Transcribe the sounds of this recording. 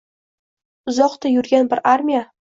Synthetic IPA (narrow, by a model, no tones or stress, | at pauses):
ʊzɒqt̪ajʊɾɡʲanbɪɾʔaɾmʲija